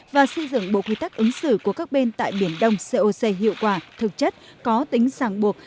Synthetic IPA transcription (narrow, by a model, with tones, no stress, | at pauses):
vaː˨˩sɨ˧zɨ̰˧˨ŋɓo̰˧˨kwi˧t̪a˦˥k̚ʔɨ˨˦ŋsɨ̰˧˩ku˧˩əkaː˦˥k̚ɓe˧nt̪a̰ː˧˨jɓi˧˩ənɗə˧wŋ͡mse˧ʔo˧se˧ɦḭ˧˨əwkwaː˧˩t̪ʰɨ˨˩k̚t͡ɕə˦˥t̚kɔ˨˦t̪ï˨˦ŋ̟saː˧˩ŋɓu˨˩ək̚